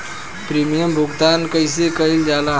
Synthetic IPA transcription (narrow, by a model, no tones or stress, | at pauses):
pɾimijəmbʱuɡt̪ankəjs̬ekəild͡ʒala